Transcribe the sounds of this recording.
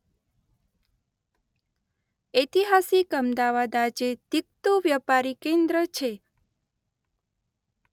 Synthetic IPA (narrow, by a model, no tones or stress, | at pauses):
et̪iɦasikəmd̪aʋad̪ad͡ʒed̪̥ik̚t̪uʋjəpaɾikẽnd̪ɾət͡ʃʰe